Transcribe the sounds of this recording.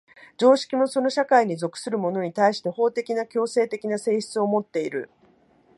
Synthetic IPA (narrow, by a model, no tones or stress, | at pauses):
d͡ʑo̞ːɕi̥kʲimo̞so̞no̞ɕakaiɲ̟izo̞kɯ̟̥sɨɾɯ̟mo̞no̞ɲ̟it̪aiɕi̥t̪e̞ho̞ːt̪e̞kʲinakʲo̞ːse̞ːt̪e̞kʲinase̞ːɕi̥t͡sɨo̞mo̞t̪ːe̞iɾɯ̟̰